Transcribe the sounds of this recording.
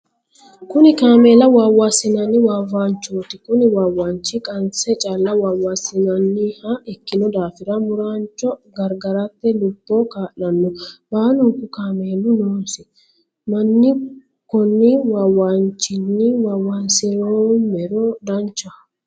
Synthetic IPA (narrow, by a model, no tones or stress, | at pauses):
kʊnɪkaːme̞ːlɐwaːwːasɪnɐnːɪwaːwaːnt͡ʃːoːt̪ɪkʊnɪwaːwaːnt͡ʃːɪkʼɐnt͡sɛt͡ʃʼalːɐwaːwːasɪnɐnːɪhɐɛkːɪnɔd̪aːfɪɾɐmʊɾaːnt͡ʃːɔɡɐɾɡɐɾɐt̪ːɛlʊbːɔkaːʔnɐnːɔbaːlʊŋkʊkaːmeːlʊnoːnsɪ | mɐnːɪ | kɔnːɪwaːwant͡ʃːɪnːɪwaːwːɐnsɪɾoːmmɛɾɔd̪ɐnt͡ʃːɐ